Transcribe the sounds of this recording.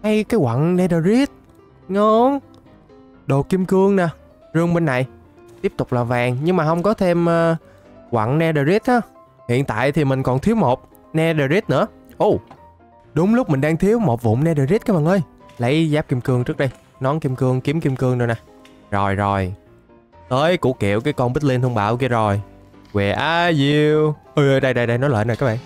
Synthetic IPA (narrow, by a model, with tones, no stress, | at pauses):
a˧jkaː˨˦jkwa̰˧˨nnɛ˧ɗəː˨˩zi˦˥ət̚ | ŋɔ˨˦n | ɗo˨˩ki˧mkɨ˧əŋnaː˨˩ | zɨ˧ŋɓe˧nːa˨˩j | t̪i˦˥əp̚t̪ʊ˨˩k͡p̚laː˨˩vaː˨˩ŋɲɨ˧ŋmaː˨˩ɦə˧wŋ͡mkɔ˨˦t̪ʰe˧mː˧ | kwa̰˧˨nnɛ˧ɗə˨˩zi˦˥t̚haː˨˧˩ | hḭ˧˨ənt̪a̰ː˧˨jt̪ʰi˨˩mï˨˩ŋ̟kɔ˨˩nt̪ʰi˧˦əwmo˨˩t̚ | nɛ˧ɗəː˨˩zi˦˥t̚nɨ̰˧˥ə | ʔu˧˩ | ɗʊ˨˦ŋ͡mlʊ˦˥k͡p̚mï˨˩ŋ̟ɗaː˧ŋt̪ʰi˨˦əwmo˨˩t̚vʊ̰˧˨ŋ͡mnɛ˧ɗə˨˩zi˦˥t̚kaː˨˦jɓaː˨˩ŋʔəː˧˩jlə˨˦jzaː˦˥p̚ki˧mkɨ˧əŋt͡ɕɨ˦˥k̚ɗə˧j | nɔ˨˦nki˧mkɨ˧əŋki˨˦əmki˧mkɨ˧əŋɗo˧jna˨˩ | zo˨˩jzo˨˩j | ʔəː˨˧˦jkṵ˧˥kḭ˧˩˨əwkaː˨˦jkɔ˧nɓi˦˥t̚li˧nt̪ʰu˧ŋ͡mɓaː˧˩wki˧əzo˨˩j | kwɛ̰˨˩ʔaː˨˧zi˧wʔə˧˩jʔə˧jɗə˧jɗə˧jɗə˧jnɔ˨˦jlə̰ː˧˨jnɔ˨˩kaː˦˥ɓa̰ː˧˨ŋ